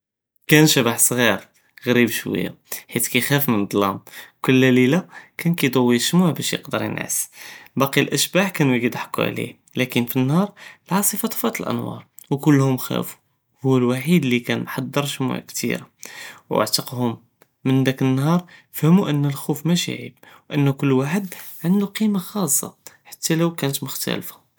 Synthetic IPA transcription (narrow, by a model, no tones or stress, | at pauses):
kænʃæbaħsˤɣiɾ | ɣɾibʃwə̰jːa̰ħit̪kæxæfmənd̪ˤlɑ̰mkʊlːælilakænkid̪əwːiʃmuʕbæʃjə̰qd̪əɾˤjə̰nʕə̰sbɑqiəlʔəʃbaħkænwiɡid̪ħḁkːṵʕlḭh | lækənfinːhɑɾˤəlʕɑsˤəfɑt̪ˤfɑt̪əlʔə̰nwɑ̰ɾˤ | wkʊlːhʊmxæ̰fu̥ | hʊwːlwaħid̪likænħɑd̪ˤːəɾˤʃmṵʕkt̪ḭɾawa̰ʕt̪əqhʊmː | ənd̪ækənːhɑɾˤəfhmuʔənːəlxufmæʃḭʕḭb̚wʔənːukʊlːwaħəd̪ʕənd̪uqimaxɑsˤːɑ̰ħḁt̪ːæləwkænət̪mʊxt̪æ̰lfḁ